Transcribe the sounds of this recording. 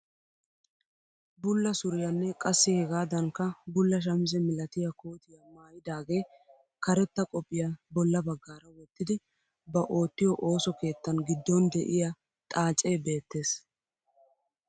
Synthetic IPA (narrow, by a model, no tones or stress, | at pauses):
bʊlːɐsʊɾɪjɐnːɛkʼɐsːɪhɛɡaːd̪ɐŋkɐbʊlːɐʃ̬ɐmɪzɛmɪlɐt̪ɪjɐkoːt̪ɪjɐmaːjɪd̪aːɡe̞ː | kɐɾɛt̪ːɐkʼɔpʼːɪjabɔlːɐbɐɡːaːɾɐwɔt̪ːɪd̪ɪ | bɐʔo̞ːt̪ːɪjɔʔo̞ːsɔke̞ːt̪ːɐnɡɪd̪ːɔnd̪ɛʔɪja | t̪ʼaːt͡sʼːe̞ːbe̞ːt̪ːe̞ːs